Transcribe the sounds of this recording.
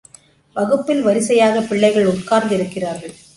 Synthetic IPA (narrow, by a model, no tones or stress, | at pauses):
ʋɐɣɯpːɪlʋɐɾɪsɐjaːɣɐpɪɭːɐɪɣɐɭʊtkaːɾd̪ɪɾɯkːɪraːɾɣɐɭ